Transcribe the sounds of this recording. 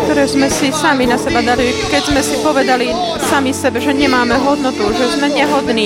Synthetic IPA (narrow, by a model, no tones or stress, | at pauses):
k̚t̪ɔɾɛːzmɛsisaminasɛbad̪alikɛɟzmɛsipɔʋɛd̪ali | samisɛbɛʒɛɲɛmaːmɛɦɔd̪nɔt̪uʒɛzmɛɲɛɦɔd̪niː